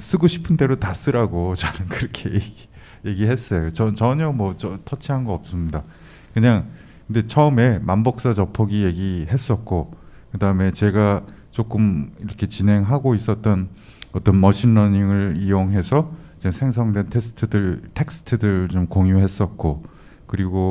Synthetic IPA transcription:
s͈ɯɡoɕʰi̥pʰɯnde̞ɾotas͈ɯɾaɡot͡ɕʌnɯnkɯɾʌkʰe̞jɡi | je̞ɡiɦe̞s͈ʌjot͡ɕʌt͡ɕʌɲʌmwʌt͡ɕʌtʰʌt͡ɕʰiɦanɡʌʌp̚s͈ɯmɲida | kɯɲaŋ | kɯnde̞t͡ɕʰʌɯme̞mambʌk̚s͈at͡ɕʌpʰʌɡije̞ɡiɦe̞s͈ʌt̚k͈o | kɯdaɯme̞t͡ɕe̞ɡat͡ɕ͈ok͈ɯmiɾʌkʰe̞t͡ɕine̞ŋɦaɡois͈ʌt̚t͈ʌn | ʌt͈ʌnmʌɕʰinːʌɲiŋɯɭijoŋɦe̞sʰʌid͡ʑesʰe̞ŋsʰʌŋdwe̞ntʰe̞sʰɯ̥tʰɯdɯɭtʰe̞k̚s͈ʰɯ̥tʰɯdɯɭt͡ɕomkoŋjuɦe̞s͈ʌt̚k͈o | kɯɾiɡo

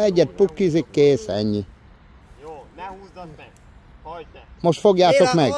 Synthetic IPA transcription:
ɛɟɛt̪̚pukːizikːeːsɛ̰ɲːi | moʃt̪foɡjaːt̪okmɛɡ

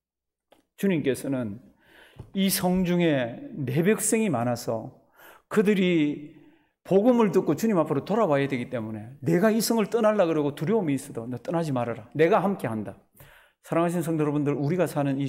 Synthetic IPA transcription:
t͡ɕuɲimk͈e̞sʰʌnɯn | isʰʌŋd͡ʑuŋe̞ne̞bjek̚s͈eŋimanasʰʌ̰ | kɯdɯɾi | poɡɯmɯɭt̬ɯk͈ot͡ɕuɲimapʰɯɾotoɾawajadwe̞ɡit͈e̞mune̞ne̞ɡaisʰʌŋɯɭt͈ʌnaɭːaɡɯɾʌɡotuɾjʌomiːs͈ʌdonet͈ʌnɦad͡ʑimaɾaɾane̞ɡaɦamk͈e̞ɦanda | sʰaɾaŋɦaɕ̬ʰins̬ʰʌŋjʌɾʌbundɯɾuɾiɡasʰanɯni

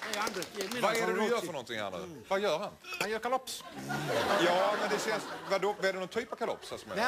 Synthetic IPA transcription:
and̪vaɛɾɛd̪jœːɾfœɾnɔnt̪ɪŋha̰ɾnʉ̰ːvajœːɾhanhanjœːɾkalɔps | jɑːmɛnd̪ɛsɛnsvad̪oːvɛɖɛnɔnt̪ʰyːpav̥kʰalɔ̰psasɔmɛ̰

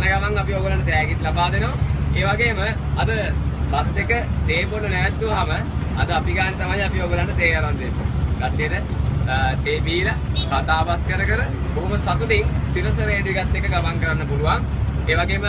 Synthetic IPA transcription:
nəɡaʋaŋabijoːɡulaɳɖət̪ɛːɡit̪labaːd̪enoeːʋaɡeːməɐd̪əbasekət̪eːbonunɛʋæt̪ːuʋɦamə | ɐd̪əapiɡaːnet̪amajabijoːɡulaɳɖət̪eːjaɾand̪enːṵɡaʈːijətə | t̪eːbiːlakat̪aːbaskəɾəkəɾə | boɦuməsat̪uniŋsiɾəsəɾeːɖuʋiɡat̪ːekːəɡamaŋkəɾanːəpuluʋaŋeːʋaɡeːmə

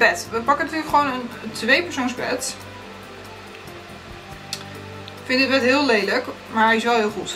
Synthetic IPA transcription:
bɛtʋəpɑkənatyːɹləkχʋownəntʋejpəɹsownzbɛ̰t | fɪndətbɛtɦɪəlejlək | maɹɪsʋɛlˠɦɪːlˠχut

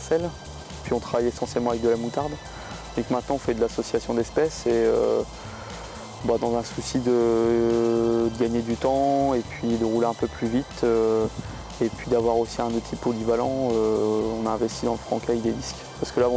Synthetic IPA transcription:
sɛl | pɥiɔ̃t̪χavajesɑ̃sjɛlmɑ̃avɛk̚d̪əlamut̪aʁd̪ | d̪ɔ̃kmɛ̃t̪nɑ̃ɔ̃fɛd̪əlasɔsjasjɔ̃d̪ɛspɛseø̰ | bad̪ɑ̃zɛ̃susid̪ə | d̪əɡaɲed̪yt̪ɑ̃epɥid̪əʁuleɛ̃pøplyvit̪ʰø | epɥid̪avwaʁosiɛ̃d̪ot̪ʰipʰolivalɑ̃øɔ̃naɛ̃vɛst̪id̪ɑ̃ləfχɑ̃kʲavɛk̚d̪ed̪isk | paʁskəlã

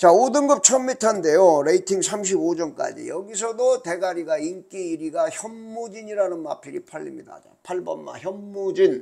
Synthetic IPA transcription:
t͡ɕaodɯnɡɯp̚t͡ɕʰʌnmitʰʌnde̞joɾe̞itʰiŋsʰamɕ̬ʰibod͡ʑʌnk͈a̰d͡ʑḭjʌɡis̬ʰʌdote̞ɡaɾiɡaink͈iiɾiɡaçjʌmːud͡ʑiɲiɾanɯnma̰pʰiɾḭpʰaʎːḭmɲida̰t͡ɕa̰pʰaɭbʌ̰nma̰çjʌmːud͡ʑin

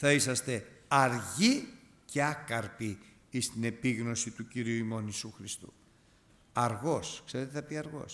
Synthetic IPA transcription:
θɐisɐst̪e̞ɐɾʝi | ce̞ɐkɐɾpi | ist̪ine̞piɣno̞sit̪uciɾiuimo̞nisuxɾist̪ṵ | ɐɾɣo̞skse̞ɾe̞t̪eθɐpiɐɾɣo̞̰s

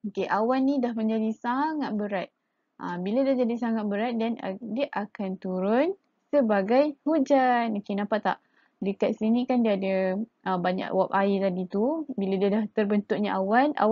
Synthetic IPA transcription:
okeʔawanːĩdahmə̃ɲd͡ʒadisaŋat̪̚bəɾat̪̚ | ʔəbiladahd͡ʒadisaŋat̪̚bəɾat̪̚dandiaʔakant̪uɾʊn | səbaɡajhud͡ʒanokenapat̪a̰ʔ | dəkat̪̚sinĩkandiaːda | əmbaɲa̰ʔwap̚ait̪adit̪ubiladiadaht̪ərbənt̪ʊk̚ɲaʔawana̰

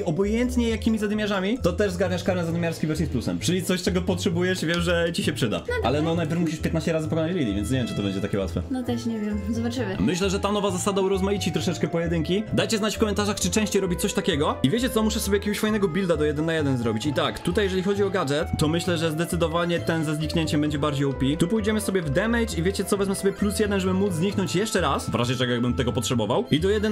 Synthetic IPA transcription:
ɔbɔjɛnt̪ɲɛjakʲimʲizad̪mʲjaʐamʲit̪ɔt̪ɛʐzɡaɾɲaʂkaɾɲɛzad̪mʲjaɾskʲivɛɾsʲisplusɛ̰mt͡ʂɘlʲit̪sɔɕtɛɡɔpɔtʂɛbujɛʂvʲjɛʂʐɛt͡ɕiɕɛpʂɘd̪a̰alɛnɔnajpʲɛɾmuɕiʂpʲjɛt̪naɕt͡ɕɛɾazɨpɔkɔnad͡ʑlʲilʲḭvʲɛnt̪sɲevʲjɛmt͡ʂɨt̪ɔbɛɲd͡ʑɛt̪akʲɛwa̰t̪fɛ̰nɔt̪ɛʃɲɛvʲjɛmzɔbat͡ʂɘvɛmɘɕlɛʐɛt̪anɔvazasad̪auɾɔzmajit͡ɕit̪ɾɔʂɛt͡ʂkɛpɔjɛd̪ɘŋkʲid̪ajt͡ɕɛznat͡ɕfkɔmɛnt̪aʐaxt͡ʂɨt͡ʂɛ̃w̃ɕt͡ɕejɾɔbʲit͡ɕt̪sɔɕt̪akʲɛɡɔivʲjet͡ɕɛt̪sɔmuʂɛsɔbʲjakʲeɛɡɔɕfajnɛɡɔbʲild̪ad̪ɔjɛd̪ɛnːajɛd̪ɛnzɾɔbʲit͡ɕit̪akt̪ut̪ajːɛʐɛlʲixɔd͡ʑiɔɡad͡ʐɛt̪ːɔmɘɕlɛʐɛzd̪ɛt̪sɘd̪ɔvaɲɛt̪ɛnzɛzɲikɲeɲt͡ɕɛmbɛɲd͡ʑɛbaɾd͡ʑejɔpʲit̪upujd͡ʑɛmɘsɔbʲjɛvd̪ɛmɛjt͡ʂivʲjet͡ɕɛt̪ɔvɛzmɛsɔbʲjɛplusjɛd̪ɛnʐɛbɘmud̪zɲiknɔɲt͡ɕjɛʂt͡ʂɛɾasvɾʔaʑɛt͡ʂɛɡɔjaɡ̚bɘmt̪ɛɡɔpɔtʂɛbɔvawid̪ɔjɛd̪ɛn

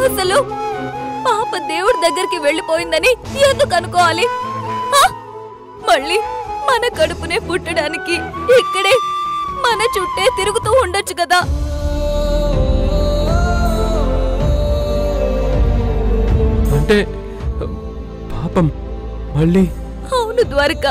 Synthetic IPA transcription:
ɐsɐlu | paːpɐd̪e̞ːwuɽud̪ɐɡːɐɾikiʋe̞ɭːipo̞ːjind̪ɐnieːnd̪ukɐnukɔːʋaːlimaː | mɐɭːiːmɐnɐkɐɽupune̞ːpuʈːɐɽaːnikiikːɐɽe̞ːmɐnɐt͡ʃuʈːe̞ːt̪iɾuɡut̪uːuɳɖɐt͡ʃːukɐd̪aː | ɐɳʈe | paːpɐm | mɐɭːi | ɐwnud̪ʋɐɾɐkɐ

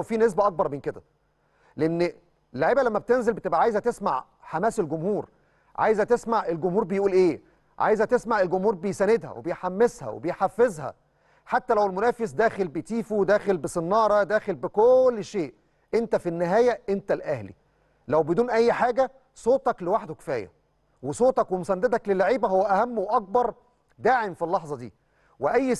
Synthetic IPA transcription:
fiːnes̬bæʔɑk̚bɑɾˤmenked̪æ | leʔenː | lːoʕiːbælæmːæbet̪enzelbet̪ebʔæʕaːjzæt̪esma̰ʕ | ħamæːselɡomhuːɾ | ʕa̰ːjzæt̪esmaʕʔelɡʊmhuːɾbejʔuːlʔeː | ʕa̰ːjzæt̪esmaʕelɡomhuːɾbejsæned̪hæ̰wḛbejħamːeshæ̰wḛbejħafːezhæ̰ | ħat̪ːælæwelmʊnæːfes̬d̪æːxelbejt̪iːfud̪æːxelbesenːɑːɾˤɑd̪æːxelbekolːʃeːʔ | ʔent̪æfinːɪɦæːjæʔent̪ælʔæhlḭ | læwbed̪uːnʔæjːħaːɡæ | sˤoːt̪ˤɑklewaħd̪okɪ̥fæːjæ̰ | wesˤoːt̪ˤɑkwemosænːd̪æd̪æklelːaʕiːbæɦowːæʔæhæmːwʔɑk̚bɑɾˤ | d̪aːʕemfilːɑħzˤɑd̪ḭː | weʔæjː

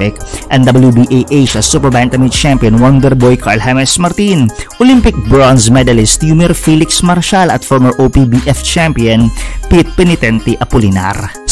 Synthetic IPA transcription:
ɪkʔɛ̃nd̪ɐbɐljubiʔejʔejʃɐsupɛɹbant̪ɐmit͡ʃampiɔ̃nwɔnd̪ɛɾbɔjkʰaɹlɦɛmɛsmɐɾt̪inʔɔlimpɪk̚bɹɔnsmɛd̪ɐlɪst̪jumɛɹfilɪksmaɾʃalɐt̪fɔɹmɐɹʔopibiʔɛft͡ʃampiɔnpit̪̚pɛnɪt̪ɛnt̪iʔɐpʊlɪna̰ɾ

